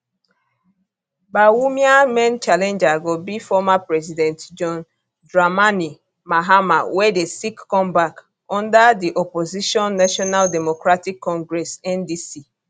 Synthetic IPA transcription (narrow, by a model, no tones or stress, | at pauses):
bawumiamɛ̃nt͡ʃalɛ̃nd͡ʒaɡobifɔmapɹɛzidɛ̃ntd͡ʒɔ̃n | dɹamani | maɦamawɛdesikːɔ̃mbak | ɔ̃ndadiʔɔpoziʃɔ̃nːaʃɔnaldɛmokɹatikːɔ̃ŋɡɹɛsɛ̃ndisi